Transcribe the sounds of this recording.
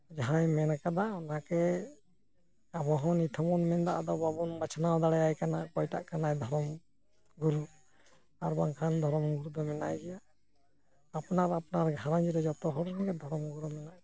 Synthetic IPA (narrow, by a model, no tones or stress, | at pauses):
d͡ʒaɦãjmɛnakad̪aɔnakɛ | abɔɦɔnit̪ʰɔmɔnmɛnd̪aʔad̪ɔbabɔnbat͡ʃʰanawd̪aɽɛjajkanakɔjta̰ʔkanajd̪ʱɔɾɔm | ɡuɾu | aɾbaŋkʰand̪ʱɔɾɔmɡuɾud̪ɔmɛna̰jd͡ʒɛja | pnaɾapnaɾɡʱaɾand͡ʒiɾɛd͡ʒɔt̪ɔɦɔɾnanɡɛd̪ʱɔɾɔmɡuɾumɛnaj